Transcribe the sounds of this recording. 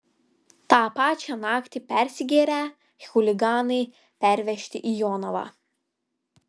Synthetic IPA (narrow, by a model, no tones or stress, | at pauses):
t̪ɑːpɑːt͡ʃʲɑnɑːkt̪ʲɪpʲɛˑɾʲsʲɪɡʲeːɾʲæ | xʊlʲɪɡɑːnɐɪ | pʲæˑɾʲʋʲɛʃʲt̪ʲɪʔijɔːnɔʋɑ̰ː